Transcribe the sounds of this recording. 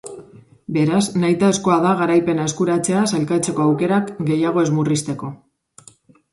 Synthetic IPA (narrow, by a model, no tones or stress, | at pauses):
be̞ɾaznajt̪aesko̞aðaɣaɾajpe̞nae̞skuɾat͡se̞asalkat͡se̞ko̞awke̞ɾakɡe̞jaɣ̞o̞e̞zmurist̪e̞ko̞